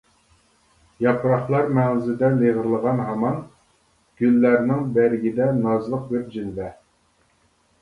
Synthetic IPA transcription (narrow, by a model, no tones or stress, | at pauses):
jɑpʰɾɑχlˠɑɾmæʁzɪd̪ɛleʁəɾlˠəʁɑnɦɑmɑn | ɡ̥ʲylːæɾnɪŋbæɾɪɡʲid̪ɛnɑzlˠəq̚bɪɾd͡ʒilvɛ